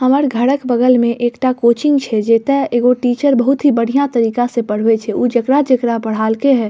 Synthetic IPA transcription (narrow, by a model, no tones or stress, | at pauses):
həməɾɡʱəɽəkbəɡəlmẽʔeːkʈakoːt͡ʃɪ̃ŋɡt͡ʃʰɛd͡ʒeːt̪eeːɡoʈiːt͡ʃəɾbəɦʊt̪ɦibəɽ̤ijat̪əɾiːkasepəɽ̤wet͡ʃʰɛuːd͡ʒəkɾad͡ʒəkɾabəɽ̤aːlkeɦɛː